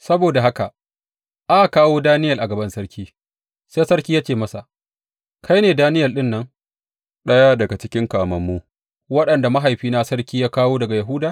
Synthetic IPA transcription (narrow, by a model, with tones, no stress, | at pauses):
sɐ˦boː˨da˨ɦa˦ka˨ | ʔa˦a˨kaː˦woː˦daː˦nɪ˦jɐ˨lʔa˨ɡɐ˨bɐ˦nsɐ˦ɽkʲiː˦ | seː˦jsɐ˦ɾkʲiː˦ja˦t͡ʃeː˨mɐ˦sa˨ | kʰa˦jneː˨daː˦nɪ˦jɐ˨ɗɪ˦nːɐ˦ŋ | ɗɐ˦jaː˦dɐ˨ɡa˨t͡ʃɪ˦kʲɪ˦ŋkaː˨mɐ˨mːu˦ | wɐ˦ɗɐ˨nda˨ma˦ɦa˨jɸiː˦na˦sɐ˦ɾkʲiː˦jaː˦kaː˦woː˦dɐ˨ɡa˨jɐ˨ɦu˦daː˨